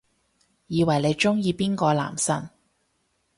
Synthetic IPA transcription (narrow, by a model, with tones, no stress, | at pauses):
jiː˨˧wɐ˨˩jle˨˧jt͡ʃʊ˥ŋjiː˧piː˥nkɔː˧la̰ː˨˩msɐ̰˥n